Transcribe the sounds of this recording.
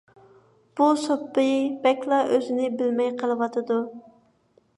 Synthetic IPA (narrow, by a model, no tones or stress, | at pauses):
b̥usopːɨbɛkʲlˠɑʔøzɪnɪbɪlmɛjqʰəlˠɨwɑt̪ʰɨd̪u